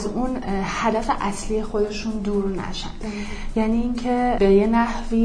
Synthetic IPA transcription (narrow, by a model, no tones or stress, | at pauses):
zuːnhæd̪æfe̞ʔæslije̞xo̞d̪e̞ʃuːnd̪uːɾnæ̰ʃæ̰nd̪̥ | jæniːŋcʰe̞be̞jenæhviː